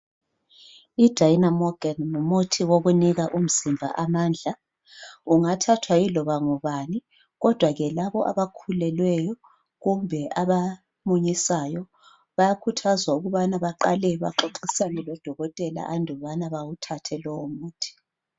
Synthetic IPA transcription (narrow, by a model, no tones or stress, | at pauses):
id̥ʱajinamɔɡ̥annumutʰiwoɣuniɣaʔum̩zimbʱa̰ʔamaːnd͡ɮʱa | uŋatʰatʰwailɔβaŋuβaːni | ɣɔd̥ʱwaɣɛlaβɔʔa̰βakʰulɛlwɛjɔ | ɣumbʱɛʔaβa | muɲisajɔ | βajakʰutʰazwauɣuβanaβaǃalɛβa̰ǃoǃisanɛlɔd̥ʱɔɣɔtʼɛla̰ʔandʱɔβanaβawutʰatʰɛlɔwomuːtʰi̥